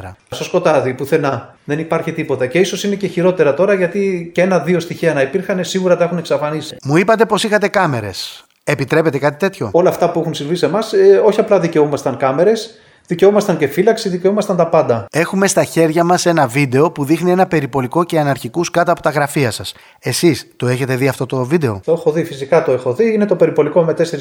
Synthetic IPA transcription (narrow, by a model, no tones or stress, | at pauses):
ɾɐ̰sɐsko̞t̪ɐðipuθe̞nɐ | ðe̞nipɐɾçit̪ipo̞t̪ɐce̞iso̞sine̞ceçiɾo̞t̪e̞ɾɐt̪o̞ɾɐʝɐt̪icenɐðio̞st̪içiɐnɐipiɾxɐnesiɣuɾɐt̪ɐexune̞ksɐfɐnisi̥muipɐt̪e̞po̞sixɐt̪e̞kɐme̞ɾe̞̰s | e̞pit̪ɾe̞pe̞t̪e̞kɐt̪i̥t̪e̞t̪ço̞̰o̞lɐːft̪ɐpuexunsiɱvise̞mɐso̞çiɐplɐðice̞omɐst̪ɐŋkɐme̞ɾe̞s | ðice̞omɐst̪ɐnce̞filɐksiðice̞omɐst̪ɐnt̪ɐpɐnd̪ɐe̞xume̞st̪ɐçe̞ɾʝɐmɐse̞nɐvid̪e̞o̞puðixnie̞nɐpe̞ɾipo̞liko̞ce̞ɐnɐɾçikuskɐt̪ɐpo̞t̪ɐɣɾɐfiɐsɐs | e̞sist̪o̞e̞çe̞t̪e̞ðiɐft̪o̞t̪o̞vid̪e̞o̞̰t̪oexo̞ðifisikɐt̪o̞e̞xo̞ðiinet̪o̞pe̞ɾipo̞liko̞me̞t̪e̞seɾi